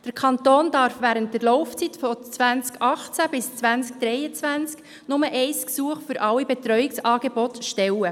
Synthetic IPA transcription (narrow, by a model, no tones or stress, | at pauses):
d̥əɾkʰɑntoːnd̥ɑɾfʋæːɾənt̚d̥ɛɾlɔʊft͡sitfɔt͡svænt͡skʔɑχt͡sæb̥ɪst͡sʋænt͡sk̚d̥ɾɛɪət͡sʋænt͡sk | nʊməʔɛɪsksuːəχfʏɾʔɑwibetɾœʏɪksɑːɡ̥ebɔtʃtɛwə